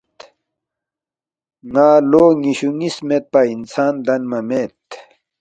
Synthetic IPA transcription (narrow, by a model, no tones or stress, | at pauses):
ŋaːloːŋiɕuŋismet̪̚pɐinsaːnd̪ɐnmɐmet̪